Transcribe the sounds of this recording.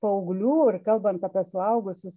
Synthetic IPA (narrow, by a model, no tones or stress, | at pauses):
pɐʊɡlʲuːɪrkɐlˠbɐnt̪ɐpʲɛslˠɐʊɡʊsʲʊs